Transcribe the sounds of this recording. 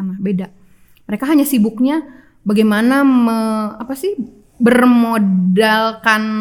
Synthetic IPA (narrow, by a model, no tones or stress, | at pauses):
aŋabeda | məɾekaɦaɲasibʊk̚ɲa | baɡajmanaməapasɪh | bərmodalkan